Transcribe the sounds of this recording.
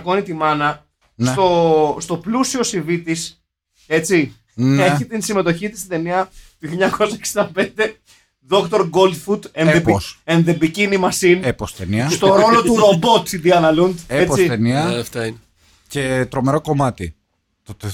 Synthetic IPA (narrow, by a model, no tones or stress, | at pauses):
ko̞nit̪imɐnɐ | nst̪o̞st̪o̞plusio̞sivit̪is | e̞t͡si | neçit̪insime̞t̪o̞çit̪ist̪id̪e̞niɐt̪uçiʎɲɐko̞sɐeksind̪ɐpe̞nd̪e̞ | ðo̞kt̪o̞ɾɡo̞ld̪fud̪enepenðebicinimɐsinepost̪eniɐst̪oɾo̞lo̞t̪uɾo̞bo̞t̪iðiɐnɐlund̪ept͡sit̪eniɐɐft̪ɐin | cet̪ɾo̞meɾo̞ko̞mɐt̪i | t̪ot̪e